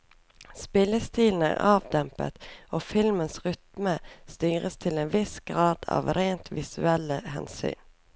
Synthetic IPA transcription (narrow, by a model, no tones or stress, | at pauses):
spɪləst̪iːln̩æ̰ːʁɑːʋd̪ɛmpə̰t̪oːfɪlmənsʁʏt̪məst̪yːʁəst̪ʰɪleːnʋɪsɡ̥ʁɑːd̪̥ɑ̰ːʋɾeːnt̪ʰʋɪsʉɛləhɛ̰nsy̰ːn